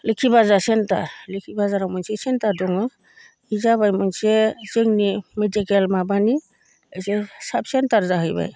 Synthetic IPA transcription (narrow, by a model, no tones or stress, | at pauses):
lekʰibazasenta̰lekʰibazaɾawmɔnsɛsentadɔŋɔ | izaβajmɔnsezeŋnimedikelmabani | ejsesabsentaɾzaɦɯjba̰j